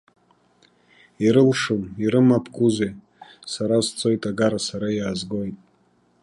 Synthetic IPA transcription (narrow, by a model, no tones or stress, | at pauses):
iɾɨlʂuniɾɨmapʰkʼuze | saɾazt͡sʰʼo̞jtʼaɡaɾasaɾajaːzɡo̞jtʼ